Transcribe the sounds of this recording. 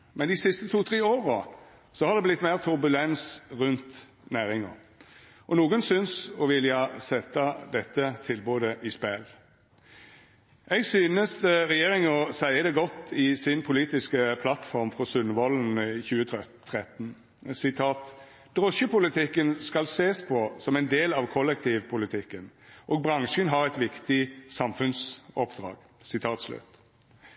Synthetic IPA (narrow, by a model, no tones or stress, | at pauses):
mɛnd̪ɪsɪst̪ət̪ʰuːt̪ʰʁeːoːʁə | sɔhɑʁd̪ɛblɪt̪ːmæːʁt̪ʰʉɾbʉlɛnsʁʉnt̪ | næːɾɪŋɑ̰ | ʔɔnuːɡənsʏnsɔʋɪljɑsɛt̪ːɑd̪ɛt̪ːət̪ʰɪlboːd̪əʔɪspɛl | ʔɛɡsyːnəst̪əɾɛjeːɾɪŋɔsæɪəd̪ɛɡɔt̪ːɪsɪnpʰʊliːt̪ɪskəpʰlɑt̪fɔʁmfʁɔsʉnʋɔln̩çʉːət̪ʰʁɛt̪ːn | sɪt̪ʰɑːt̪ | d̪̥ʁɔʃəpʊlɪt̪ʰɪkːənskɑlseːspʰɔsɔmæɪnd̪eːlɑʋkʰɔlɛkt̪ʰiːʋpʰʊlɪt̪ʰɪkːənʔoːɡ̚bʁɑŋʃənɦɑɾɛt̪ʋɪkt̪ɪsɑmfʉnsɔpd̪̥ʁɑ̰ːɡ̥ | sɪt̪ʰɑːt̪slʉ̰t̪